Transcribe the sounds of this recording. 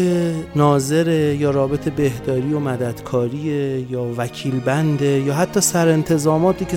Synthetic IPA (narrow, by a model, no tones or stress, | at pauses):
enɒːze̞ɾejɒːɾɒːbe̞t̪ʰe̞be̞hd̪ɒːɾijomæd̪æd̪̥kʰɒːɾiːejɒːvæcʰiːlbænd̪ejɒːɦæt̪ʰːɒːsæɾe̞nt̪ʰe̞zɒːmɒːt̪iːcʰe